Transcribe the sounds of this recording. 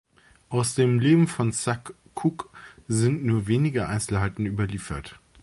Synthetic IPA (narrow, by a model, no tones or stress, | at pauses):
ʔaʊsd̥eːmleːbm̩fɔnsakʰː | ukzɪntnuːɐveːnɪɡəʔa̰ɪnt͡sl̩ɦaɪtn̩yːbɐliːfɐt